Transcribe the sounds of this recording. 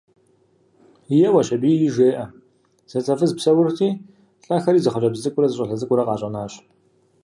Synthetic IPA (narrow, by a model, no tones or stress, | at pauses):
jɛwɐɕɐbiːjɪʒʷeːʔɐ | z̥ɐt͡sʼɐfɨzpsɐwʊrtʰiː | ɬʼɐxɐɾiːzɨχɐɕʼɐbzɨzɨkʷʼʊɾɐzɨɕʼɐɬɐzɨkʷʼʊɾɐqɑːɕʼɐnaːɕ